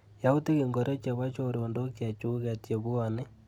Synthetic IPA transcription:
ja˦u˦ti˦ɣi˨ŋɡo˨ɾe˦t͡ʃa˨βa˦t͡ʃoɾo˨ndo˦kja˨t͡ʃu˦ɣatje˨βu˦ane˦

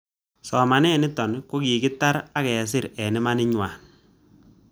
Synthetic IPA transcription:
sɔ˨ma˨nɛ˦nɪ˦tɔ˨nko˦ki˨kɪ˦ta˦ɾa˦kɛ˨s̬ɪ˦ɾɛ˨nɪ˦ma˦nɪ˦ɲwaː˨n

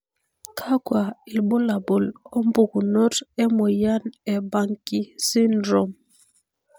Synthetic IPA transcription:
kʰa˦kwa˨i˨lbo˦la˨bo˨lɔ˦m˦bu˨ku˨nɔ˦tɛ˦mo˨ja˦nɛ˨ba˨ŋki˦si˦ndɾo˨m

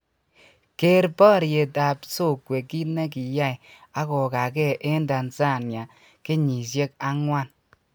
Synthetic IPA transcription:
ke˦ɾpa˦˨ɾje˨ta˨pso˦˨kwe˨ki˦ne˦k̬i˨ja˦˨ja˦kɔ˨ka˨kɛ˦˨ʔe˦nda˨nsa˦˨nja˨ | ke˦ɲi˨s̬je˦k̚a˦ŋwa˦˨n

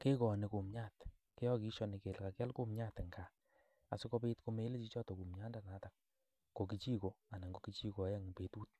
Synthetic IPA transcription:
ke˦kɔ˨ne˨ko˨mɲa˦˨t | ke˦jɔ˦ki˦ʃɔ˦ni˨ke˨lka˨kɛ˦lko˦˨mɲa˦˨tŋɡa˨ | a̰˨sɪ˦ko˧pe˦tko˧˦me˨˦le˦t͡ʃi˦t͡ʃɔ˦tɔ˨ku˨mɲa˦nda˨na˨˦ta˨k̚ | ɡo˨ki˨t͡ʃi˦ko˨a˨na˨ŋɡo˨ki˦t͡ʃi˦ko˨˦ja˦ŋ˨pe˨˦tu˦t̚

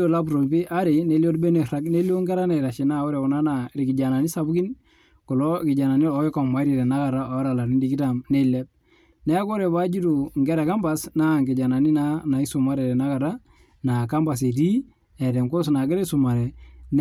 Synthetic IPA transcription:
o˦la˦b̬ɾo˨mpi˦ʔa˦ɾɪ˨ne˦li˦o˦dbe˦ne˨ɾa˦kne˦li˦o˦ŋɡɛ˦ɾa˦ne˨ɾa˨ʃi˨na˦ɔ˦ɾɛ˨ku˨na˦na˨ɾi˨kɪ˨d͡ʒa˨na˨ni˦sa˨bu˦ki˦n | ko˨lo˦kɪ˨d͡ʒa˨na˨ni˦ɔ˨˦e˦ka˨ma˨˦ɾe˨ɾɛ˨na˦ka˨ɾa˦ɔ˨˦ɾa˨la˨ni˦di˨ki˦ta˨mne˦˨lɛ˦b̚ | nɛ˦ko˦ɾɛ˨ba˦d͡ʒi˦tu˨ŋɡɛ˦ɾɛ˨ka˦mba˦sna˦˨ŋɡɪ˨d͡ʒa˨na˨ni˦na˦na˨i˦su˨ma˦ɾɛ˨ɾɛ˨na˦ka˨ɾa˦ | na˨ka˦mba˨s̬e˨di˦ | ɛ˨tɛ˨ŋko˦s̬na˨ɡɪ˦ɾɛ˦su˨ma˨ɾɛ˨n

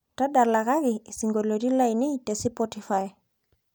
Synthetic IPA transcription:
ta˦da˨ɾla˨ka˦ɡi˨si˨ŋɡo˨lo˨ɾi˦la˦ini˦te˨si˦pɔti˨faj

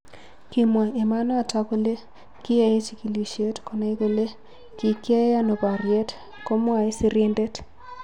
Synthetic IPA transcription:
ki˨mwa˨e˨ma˦na˦a˨ta˦ko˦le˦ | kɪ˦a˨e˦t͡ʃi˦ki˨li˨ʃe˦tko˨na˦i˦ko˦le˦ | ki˨kje˦e˦a˦no˨pa˨ɾje˦t | ko˦mwa˨e˦si˦ɾe˦nde˦t

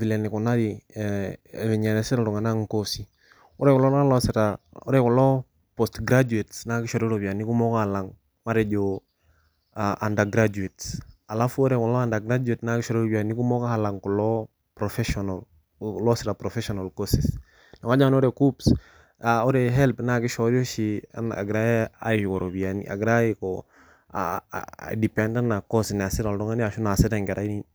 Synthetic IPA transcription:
vi˨lɛ˨nɪ˨ku˨na˦ɾi˨ | mi˨ɲɛ˨ɾɛ˨sɛ˦ɾa˨tu˨ŋa˨na˦ŋ̩kosi˨ | o˦ɾɛ˦kɔlɔ˦na˦lɔsɪ˨ɾao˦ɾɛ˦kɔ˨lɔ˦ | pɔstɡɾad͡ʒu˨e˨tsna˦kɪ˦ʃɔ˨ɾɛ˦ɾo˨pi˨a˨ni˦ku˦mɔ˦ka˦ha˨la˨ŋ | ma˦ɾɛ˨d͡ʒo | aʔa˨nda˨ɡɾad͡ʒu˨etsa˨la˦fu˦o˦ɾɛ˨kɔ˨lɔ˦a˦nda˨ɡɾa˦d͡ʒuetna˦kɪ˦ʃɔ˨ɾɛ˦ɾo˦pia˨ni˦ku˦mɔ˦ka˦ha˨la˨ŋkɔ˨lɔ˦ | pɾɔfɛʃɔnal | lɔsɪɾapɾɔfɛʃɔnalkɔsɪs | nɔ˨ŋa˦d͡ʒa˦ŋ˦n˦ɔ˦ɾekups | aɔ˦ɾɛɦɛlpnakɪ˦ʃɔɾi˦o˦ʃia̰na̰˨ɡɾa˦a̰ɪ˨kɔ˨ɾobi˨anḭʔa̰˨ɡɾa˦ikɔ̰ | di˨pɛnda˦na˨kɔsn˨a˨sɪ˦taldɔ˦ŋa˦ni˦a˨ʃu˦na˨sɪ˦ta˨ŋɡɛ˨ɾa˦i˦ni

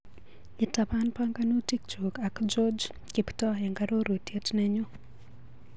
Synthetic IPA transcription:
ɪ˨ta˨pa˦npaŋɡano˦ti˦k̚t͡ʃo˨ka˨kd͡ʒɔd͡ʒ | kiptɔɛŋɡaɾo˦ɾwe˨tjɛ˦tnɛɲo˦

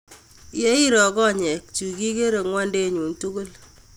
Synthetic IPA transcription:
je˦i˦ɾɔ˨kɔ˦ɲɛ˨k̚t͡ʃu˨ki˦ke˦ɾe˨ŋwa˦nde˦ɲu˨ntu˦ku˦l

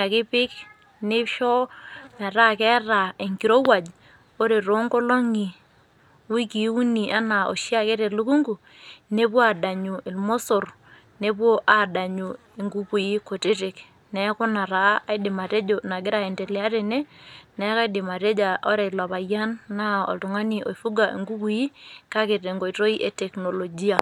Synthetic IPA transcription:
a˨kɪ˦pɪ˦k | nɪ˦ʃɔ˦mɛ˨ɾa˦kɛ˦ra˨e˨ŋki˨ɾo˦wa˨d͡ʒ | o˦ɾe˨ɾo˨˦ŋko˦lo˦ŋi˨ | wi˦ki˨˦u˦ni˨ʔa˦na˨o̰˨ʃja˦˨kɛ˦ɾe˨lu˦ku˦ŋɡu˨ | ne˦p̬wɔ˦a˨da˨ɲu˨ʔɪ˨lmo˦so˨r | ne˦pwo˦ʔa˨da˨ɲu˨ | e˨ŋɡu˦ku˨ji˦ko˨te˦te˨k | nɛ˨˦kʊ˦na˨ɾa˨˦a˦jdɪ˨ma˨te˦d͡ʒo˨na˨ɡɪ˦ɾa˨ɛ˨ndɛ˨lɛ˨a˦ɾɛ˨nɛ˦nɛ˨˦ka˦dɪ˨ma˨te˦d͡ʒa˨ʔɔ˦ɾe˨la˨βa˨ja˦nːa˦ɔ̰˨ltʊ˨ŋa˦ni˨o̰˨ifu˦ɡa˨ʔḛ˨ŋɡu˦ku˨ji˦ka˦ke˨ɾe˨ŋɡo˨i˨to˦i˦ʔe˦tɛ˨kno˨lo˨d͡ʒi˦a˨

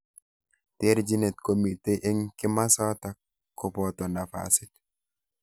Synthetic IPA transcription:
te˦ɾd͡ʒi˦ne˨t̚ko˨miteʔe˦ŋkɪ˦ma˦sɔ˦takː | ɔ˨pɔtɔ˨na˨fa̰sɪt

